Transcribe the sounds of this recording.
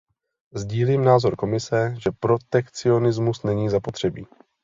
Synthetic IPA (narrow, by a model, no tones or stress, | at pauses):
zɟiːliːmnaːzo̞ɾko̞mɪsɛʒɛpɾo̞t̪ɛkt͡sɪo̞nɪzmusnɛɲiːzapo̞t̪r̝̥ɛbiː